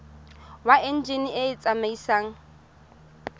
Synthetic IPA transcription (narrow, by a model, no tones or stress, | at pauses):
waɪn̩d͡ʒeniʔeɪt͡sʼamaisaːŋ̩